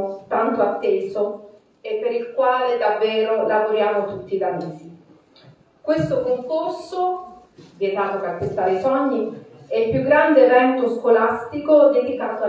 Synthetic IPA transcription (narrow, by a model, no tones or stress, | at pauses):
t̪ant̪oat̪ːeːso | epːeɾilkwaːled̪avːɛːɾolavoɾjaːmot̪ut̪ːid̪amiːsi | kwest̪okoŋkorso | vjet̪aːt̪opekːwest̪aːɾesɔɲːiɛilpjuɡɾand̪erɛnt̪uskolast̪ikod̪ed̪ikaːt̪oa